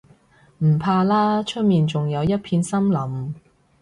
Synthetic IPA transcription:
m̩˨˩pʰaː˧laː˥t͡ʃʰɵ˥t̚miː˨nt͡sʊ˨ŋjɐ˨˧wjɐ˥t̚pʰiː˧nsɐ˥mlɐ˨˥m

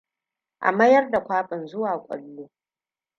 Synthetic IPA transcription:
ʔa̰˨mɐ˦jɐ˦rda˨kʷaː˦pʼɪ˨nzʊ˦waː˨kʷʼɐ̰˨lːoː˦

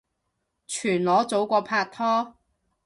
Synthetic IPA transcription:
t͡ʃʰyː˨˩nlɔː˨˥t͡so˨˥wkʷɔː˧pʰaː˧k̚t̪ʰɔː˥

